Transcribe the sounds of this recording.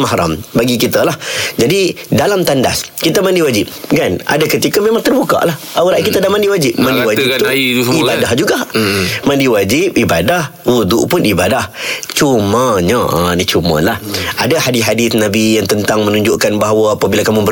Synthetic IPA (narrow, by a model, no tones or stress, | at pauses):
maɦɾa̰mbaɡikit̪əlahd͡ʒadidalamt̪anda̰skit̪əmandiwad͡ʒɪp̚kanʔa̰dakət̪ikəmemaŋt̪ərbuka̰ʔlah | awɾaʔkit̪adahmãndiwad͡ʒɪp̚mãndiwad͡ʒiibadahd͡ʒuɡamãndiwad͡ʒɪp̚ibadah | wud̪ṵʔpʊnʔibadaht͡ʃuməɲəənit͡ʃumə̰lahʔadahadiɦadɪθnãbijaŋt̪ənt̪aŋmə̃nũɲd͡ʒʊʔkanbaɦawəapabilakamũbə